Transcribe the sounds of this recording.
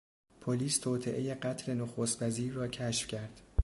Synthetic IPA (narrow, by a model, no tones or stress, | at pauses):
pʰoliːst̪ʰoːt̪ʰeʔeje̞ɢæt̪ʰle̞noxost̪væziːɾːɒːcʰæʃfcʰæɾd̪̥